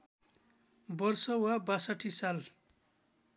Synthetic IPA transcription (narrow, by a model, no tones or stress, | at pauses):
bʌrsʌwabasʌʈʰːisal